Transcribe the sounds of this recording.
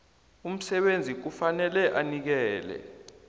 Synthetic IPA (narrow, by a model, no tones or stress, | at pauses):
um̩sɛɓend͡zʱik̬ufanɛlɛʔanik̬ɛːlɛ̰